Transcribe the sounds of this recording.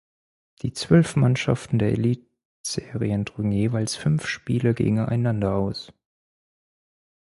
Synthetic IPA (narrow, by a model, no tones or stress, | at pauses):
d̥iːt͡sv̥œlfmanʃa̰ftn̩deːɐʔḛliːt̚ | z̥eːʁiəndʁʏɡn̩jeːvalsfʏnfʃpiːlɐɡḛːɡŋŋ̩a̰ɪnandɐaʊs